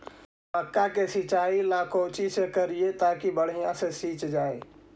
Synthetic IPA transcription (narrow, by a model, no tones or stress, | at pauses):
məkːakesit͡ʃailakʰot͡ʃisekəɾijet̪akibəɽ̤ijãsesit͡ʃd͡ʒaj